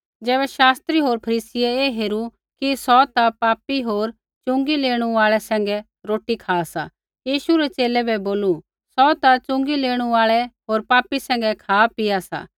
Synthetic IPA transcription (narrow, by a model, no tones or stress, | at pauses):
d͡zɛːβɛʃaːst̪ɾiɦoːɾpʰɐɾiːsɪjɛeːɦeːɾu | kisɔt̪apaːpiɦoːɾ | t͡ʃʊ̃ŋɡileːɽ̃ũaːɭɛsɛ̃ːŋɡɛ | ɾoːʈikʰaːsa̰ | jiːʃuɾɛt͡ʃeːlɛbɛboːlu | sɔt̪at͡ʃʊ̃ŋɡileːɽ̃ũaːɭɛɦoːɾpaːpisɛ̃ːŋ̆ɡɛkʰaːpɪasa̰ː